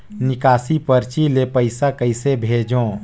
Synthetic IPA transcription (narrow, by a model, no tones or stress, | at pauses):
nɪkaːsipəɾt͡ʃilepəɪsakəɪsebʱeːd͡ʒõː